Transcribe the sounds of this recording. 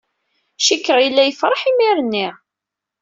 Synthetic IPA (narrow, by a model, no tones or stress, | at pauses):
ʃikːəʁilːæjəfɾˤɑħimiɾənːiʁ